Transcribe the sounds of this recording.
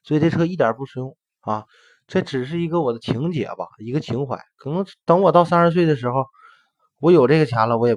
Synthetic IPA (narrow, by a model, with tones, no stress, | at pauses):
swi˨˩ʈ͡ʂe˥˩ʈ͡ʂʰɤ˥i˥˩t̪jɑ̰˨˩pu˥˩ʂɻ̩˧˥jʊ˥˩ŋ | a˥˧ | ʈ͡ʂɤ˥˩ʈ͡ʂɻ̩˨˩ʂ̬ɻ̩˥˩i˧˥ɡə˧wɔ˨˩d̪ə˦t͡ɕʰi˧˥ŋt͡ɕjɛ̰˨˩bɐ̰˧i˧˥ɡə˧t͡ɕʰi˧˥ŋxwa̰˧˥˦ɪkʰɤ˨˩nɤ˧˥ŋt̪ɑ˥ŋwɔ˨˩t̪ɑ˥˧ʊsa˥nʂɻ̩˧˥s̬we˥˩ɪd̪ə˩ʂ̬ɻ̩˧˥xo˧ʊ | wɔ˧˥jo˨˩ʊʈ͡ʂɤ˥˩ɡə˩t͡ɕʰja˧˥lə˧wɔ˧˥jɛ˨˩